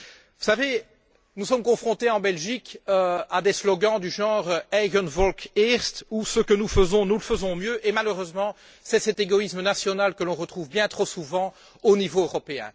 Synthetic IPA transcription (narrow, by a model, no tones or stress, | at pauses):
vusave | nusɔmkɔ̃fχɔ̃t̪eɑ̃bɛlʒikøad̪eslɔɡɑ̃d̪yʒɑ̃ʁɛɡɔnvɔlkiʁst̪usəkənufəzɔ̃nuləfəzɔ̃mjøʔemaløʁøzmɑ̃ | sɛsɛt̪eɡɔismənasjɔnalkəlɔ̃ʁət̪χuvbjɛ̃t̪χosuvɑ̃ | onivoøʁɔpeɛ̰̃